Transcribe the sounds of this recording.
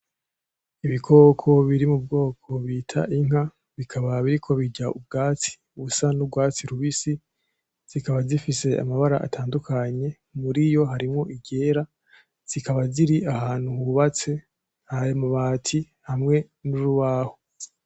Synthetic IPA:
iβikʰo̞ːkʰo̞βiɾimub̚ɡo̞ːkʰo̞βiːtʰa̰ʔiŋ̥a | βikʰaβaβiɾikʰo̞βiɟaub̚ɡaːt͡si̥uβusanubɡwaːt͡siɾuβisi | z̥ikaβazifise̞a̰maβaɾaʔa̰tʰaːndukʰaɲe̞ | muɾijo̞ɦaɾimŋo̞ʔiɟe̞ːɾa | z̥ikaβaziɾiʔahaːn̥huhuβat͡se̞ | hajemuβaːtʰi | hamŋe̞ | nuɾuβaːho

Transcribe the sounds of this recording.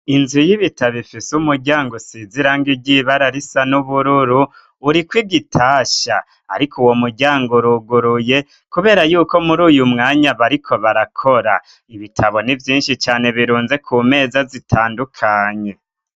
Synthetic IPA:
inzujiβitaβifisumuɾɟaːŋɡosiziɾaːŋɡiɟiβaɾaɾisanuβuɾuɾuː | ɾikwiɡitʰaːʃa̰ː | ɾikʰuwo̞muɾɟaːŋɡoɾuɡuɾuje̞ | kuβe̞ːɾajuːko̞muɾuːjumŋaːɲaβaɾikʰo̞βaɾakʰoɾa | iβitʰaβo̞nivjiːnʃit͡ʃaːne̞βiɾuːnze̞kʰuːme̞ːzazitʰaːndukʰaːɲe̞

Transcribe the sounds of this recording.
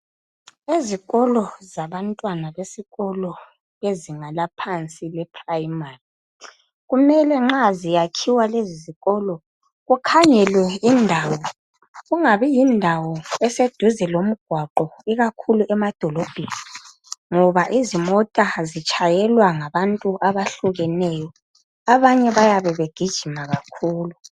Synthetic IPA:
eziɣɔlɔzaβantʼwanaβesiɣɔlɔ | βeziŋalapʰant͡sʼilɛpʰrajimari | ɣumɛlɛŋ͡ǁazijakʰiwaleziziɣɔlɔ | ɣukʰaɲɛlwɛindʱaːwɔ | ɣuŋaβɛjindʱawɔɛsed̥ʱuzɛlom̩ɡ̥ʱwaǃɔiɣakʰuluʔɛmad̥ʱɔlɔb̥ʱeni | ŋɔβaʔizimɔtʼazit͡ʃʼajɛlwaŋaβantʼuʔaβaɬuɣɛnɛjɔ | aβaɲɛβajaβɛβeɡ̥ʱid̥ʒ̥ʱimaɣakʰuːlu

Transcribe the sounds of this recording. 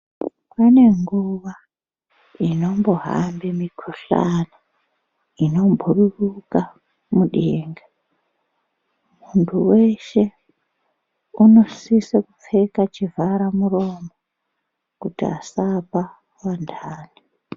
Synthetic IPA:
pane̞ŋɡuʋa | ino̞mbo̞ɦa̰mbimikʰoɬa̰na | ino̞mbʱururuka | muɗeːŋɡa | muntʰuwe̞ʃe̞ | uno̞sisekup͡fe̞kat͡ʃivʱaɾamuro̞mo | kutia̰sapa | wandʱaːni

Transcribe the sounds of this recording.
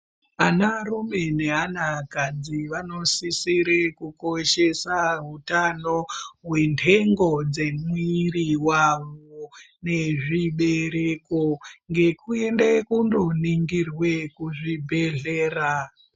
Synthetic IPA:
anaɾume̞ne̞ɦanakad͡ziʋanosisiɾekukoʃe̞saɦutanoɦwe̞ntʰe̞ŋɡod͡zemwiriwaʋo | ne̞ʐiɓe̞ɾekoŋɡe̞kuendekundoniŋɡirwe̞kuʐibʱe̞ɮeːra

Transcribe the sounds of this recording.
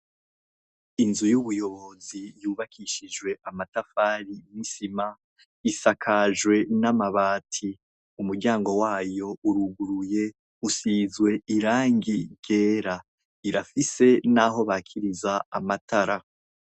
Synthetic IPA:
inzujuβujo̞βo̞zijuːβakʰiʃid͡ʒwe̞ʔamatafaːɾinisima | isakʰaʒwe̞namaβaːtʰi | umuɾɟaːŋɡo̞waːjo̞uɾuɡuɾuje̞ | usiːzɡwe̞iɾaːŋɡiɟe̞ːɾa | iɾafise̞naɦo̞βaːkʰiɾizaamatʰaɾa

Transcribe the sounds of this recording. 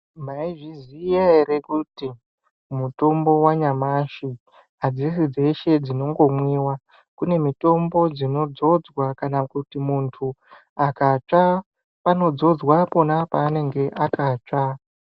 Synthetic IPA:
maiʐizijaeɾe̞kuti | muto̞mbo̞waɲamaʃi | ad͡zisid͡ze̞ʃe̞d͡zino̞ŋɡo̞mwiːwa | kune̞mito̞mbo̞d͡zino̞d͡zo̞d͡zwakanakutimuntʰu | akat͡ʂa | pano̞d͡zo̞d͡zwapo̞napaːne̞ŋɡe̞ʔakat͡ʂa

